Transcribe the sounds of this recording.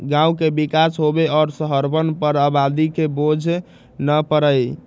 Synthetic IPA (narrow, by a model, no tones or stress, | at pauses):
ɡãũkebikasɦobeɔːɾsəɦəɾbənpəɾabad̪ikebod͡ʒʱ | nəpəɾəj